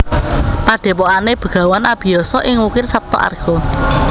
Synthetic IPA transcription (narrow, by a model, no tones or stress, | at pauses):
paɖ̥ɛ̤pɔaneb̥ə̤ɡ̥ä̤wanab̥i̤jɔsɔʔɪŋwukɪrsap̚t̪ɔ̰ʔa̰rɡ̥ɔ̤